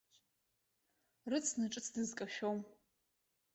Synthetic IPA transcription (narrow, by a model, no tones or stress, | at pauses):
rɨt͡sʰnɨʈ͡ʂʼɨt͡sʰdɨzkʼaʃᶣom